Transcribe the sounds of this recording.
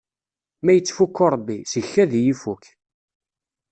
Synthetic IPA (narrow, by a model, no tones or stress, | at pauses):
mæjət͡sːfukːoɾˤbːisʝçːæðjifuk